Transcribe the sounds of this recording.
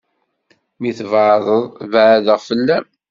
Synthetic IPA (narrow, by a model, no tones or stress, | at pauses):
miθəvʕðˤəðˤvʕðəʁfəlːæm